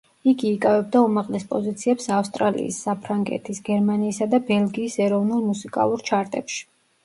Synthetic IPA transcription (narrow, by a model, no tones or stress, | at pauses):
iɡiːkʼavɛb̚d̪aumaʁlɛspʼɔzit̪sʰiɛpsafst̪ʼɾalḭːsːapʰɾaŋɡɛ̰t̪ʰisɡɛɾmaniːsad̪abɛlˠɡiːsɛɾɔvnulˠmusikʼa̰lˠuɾt͡ʃʰaɾt̪ʼɛpʃi̥